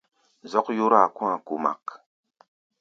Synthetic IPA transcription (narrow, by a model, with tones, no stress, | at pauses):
zɔ˦kju˦ɾa˨kwã˦˨ku˨ma̰˨k